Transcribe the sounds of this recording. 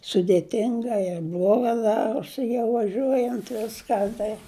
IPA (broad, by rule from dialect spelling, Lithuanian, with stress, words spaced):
sʊdʲeːˈtʲɪŋɡɐ ɪr ˈblˠoːɡɐ ˈdɑːroːsʲɪ jɛʊ ʋɐˈʒʲuɔjɛnt ˈʋʲɪskɐ tɐɪ